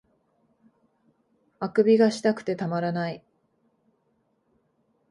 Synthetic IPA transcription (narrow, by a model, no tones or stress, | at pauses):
akɯ̟bʲiɡaɕi̥t̪akɯ̟̥t̪e̞t̪amaɾanai